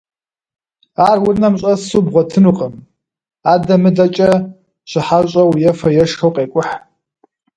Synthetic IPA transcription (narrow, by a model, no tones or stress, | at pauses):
aːrwʊrnɐmɕʼɐsubʁʷɔtʰɨnuqʼəm | adɐmɨdɐt͡ʃʼɐ | ɕʷɨħaɕʷʼɐwjɛfɐjɛʂxɐwqʼeːkʷʼʊħ